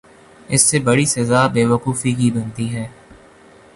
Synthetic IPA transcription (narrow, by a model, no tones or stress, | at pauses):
ɪsːebɐɽisɐzaːbeːʋəquːfikibɐ̃nt̪iɦɛː